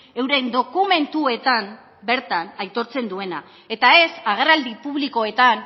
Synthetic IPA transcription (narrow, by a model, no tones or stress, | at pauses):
e̞wɾe̞nd̪o̞kume̞nt̪ue̞t̪am | be̞ɾt̪anajt̪o̞ɾt͡se̞nd̪ue̞na | e̞t̪ae̞saɣ̞e̞rald̪ipuβliko̞e̞t̪an